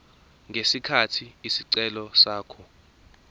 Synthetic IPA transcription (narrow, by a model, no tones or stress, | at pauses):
ŋɡʱesikʰatʰiisiǀɛlɔsaːkʰɔ